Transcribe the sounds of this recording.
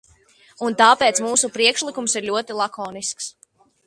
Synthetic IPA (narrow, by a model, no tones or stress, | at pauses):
unt̪aːpeːt̪smuːsupɾiɛkʃlˠikumsiɾlʲuɔt̪ilˠakɔːnisks